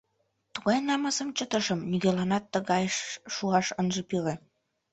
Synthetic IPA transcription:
t̪uɣɑjnɑməsəmt͡ɕət̪ə̆ʃəmniɣelɑnɑt̪ːəɣɑjʃːuɑʃənʒɤ̆pire

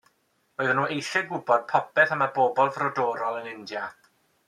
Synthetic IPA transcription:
oɨðənuːejʃɛɡʊbɔd̥̚pʰɔpɛθəmaboːbɔlˠvrɔdɔːɾɔlˠənɪndja

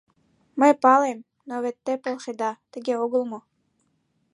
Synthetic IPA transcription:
məjpɑlˠem | noβet̪ːepolˠʃed̪ɑt̪ɘ̆ɡʲeoɡɤ̆lˠmɤ̆

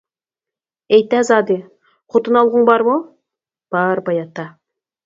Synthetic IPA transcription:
ejt̪æzɑd̪i | qʰot̪ənɑlˠʁəɴbɑɾmo | b̥ɑɾbɑjɑt̪ːɑ

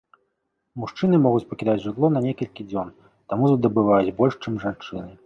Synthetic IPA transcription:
muʂt͡ʂɨnɨmɔɣut͡sʲpɐkʲid̪at͡sʲʐɨt̪lˠɔnɐnʲɛkɐlʲkʲid͡zʲɔn | t̪amuzd̪ɐbɨvajut͡sʲbɔlʲʂt͡ʂɨmʐant͡ʂɨ̰nɨ

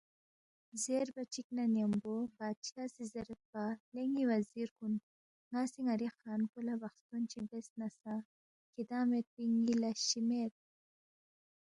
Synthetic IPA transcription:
zeɾbat͡ʃiknanembobaːt͡ʃʰasizɐɾət̪̚paleŋiwaziɾkun | ŋasiŋaɾixaːnkulabaxst̪ont͡ʃibesnasa | kid̪aːmet̪̚piŋɡilaɕimet̪̚

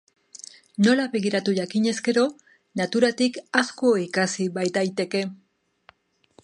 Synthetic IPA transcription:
no̞laβe̞ɣiɾat̪uʝakiɲe̞ske̞ɾo̞ | nat̪uɾat̪ikasko̞ikasiβajt̪ajt̪e̞ke̞

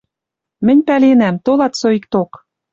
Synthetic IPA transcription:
mɘ̆nʲpælenæmt̪olɑt̪soik̚t̪ok

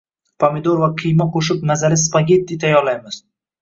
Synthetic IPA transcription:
pʰamɪd̪oɾvaqʰɨjmaqʰoʃɪpnazalɪspaɡʲe̞t̪̚d̪it̪ʰajːɒɾlajmɪz̥

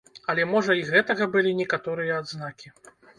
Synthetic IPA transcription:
ɐlʲɛmɔʐɐiɣɛt̪ɐɣɐbɨlʲinʲɛkat̪ɔɾɨjɐːd̪znakʲi

